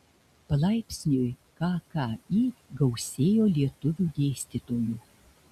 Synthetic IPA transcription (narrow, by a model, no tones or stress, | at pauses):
pɐlˠɑjpʲsʲnʲøj | kɑkɑiɡɐwsʲeːjolʲiɛt̪ʊʋʲud̪ʲeːsʲt̪ʲit̪oːju